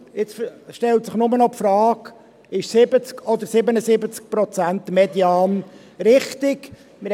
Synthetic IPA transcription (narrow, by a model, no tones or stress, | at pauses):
ɪt͡sʃtɛltsɪχnʊmənɔpfɾɑːk | ɪʃsɪbət͡skɔd̪əɾsɪbənəsɪbət͡sk̚pɾɔt͡sæntmɛd̪iɑːn | rɪχt̪ɪk | mɪɾ